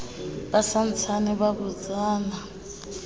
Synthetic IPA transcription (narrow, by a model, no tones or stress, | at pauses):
basan̩t͡sʰaniβaβud͡zaːna